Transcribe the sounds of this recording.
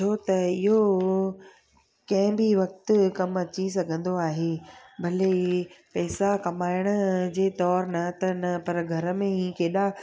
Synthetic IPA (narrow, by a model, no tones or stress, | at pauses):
tʰot̪ɐɪɦo | kɐ̃ɦɪ̃bɪʋɐk̚t̪ʊkɐmɐt͡ɕis̬ɐɡʱə̃nd̪oaːɦeːbʱɐlepɛːsakɐmaːɪɽ̃ʊ̆d͡ʑeːt̪ɔːɾnɐt̪ɐnɐpɐɾɡʱɐɾəmẽĩːkeːɗa